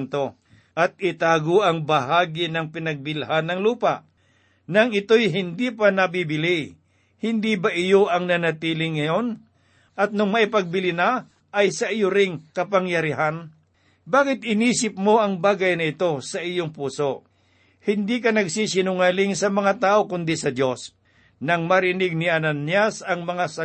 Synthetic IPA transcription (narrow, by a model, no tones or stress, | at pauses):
nt̪o̞ | ʔɐt̪̚ɪt̪aːɡoʔɐŋbɐɦaːɡɪnɐŋpɪnɐɡ̚bɪlhanːɐŋluːpaʔ | nɐŋɪt̪o̞jɦɪnd̪ipanɐbibɪlij | hɪnd̪ibaʔɪjoʔɐŋnɐnɐt̪iːlɪŋːɐjo̞n | ʔɐt̪̚nʊŋmɐʔɪpɐɡ̚bɪlɪna | ʔɐjsɐʔɪjʊɾɪŋkɐpaŋjɐɾɪɦan | baːkɪt̪̚ɪniːsɪp̚mo̞ɐŋbaːɡɐjnɐɪt̪o̞sɐʔijoŋpuːso | hɪnd̪ikɐnɐɡsiːsɪnʊŋaːlɪŋsɐmɐŋat̪aːʔokʊnd̪isɐd̪jo̞s | nɐŋmɐɾɪnɪɡ̚nɪʔananjasɐŋmɐŋasɐ